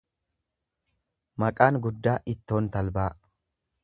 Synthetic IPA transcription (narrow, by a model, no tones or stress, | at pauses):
mɐkʼaːŋɡʊd̪ːaːʔɪt̪ːo̞ːnt̪ɐlbaː